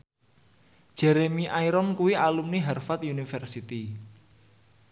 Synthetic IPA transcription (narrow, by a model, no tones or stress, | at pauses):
ʒ̥ɛɾemiʔaiɾɔnkuwialumniɦɛrfat̪unifɛrsit̪i